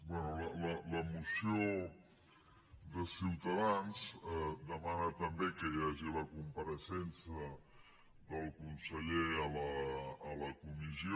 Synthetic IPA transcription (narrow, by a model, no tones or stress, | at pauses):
bwɛnulələləmusio | ðəsiwt̪əðanzd̪əmanət̪əmbekəjaʒiləkumpəɾəsɛnsə | ðəlˠkunsəʎeələːləkumizi